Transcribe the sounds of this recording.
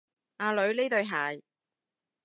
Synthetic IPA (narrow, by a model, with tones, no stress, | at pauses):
aː˨˧lɵ˨˧ɥleː˥t̪ɵ˧ɥɦaː˨j